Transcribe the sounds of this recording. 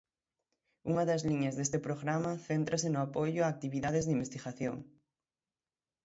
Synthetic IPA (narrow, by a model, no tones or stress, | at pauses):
uŋɐðɐzliɲɐzðest̪ɪpɾoɣɾamɐθent̪ɾɐsɪnʊapojʊaːk̚t̪iβiðaðezðimbest̪iɣaθjo̰ŋ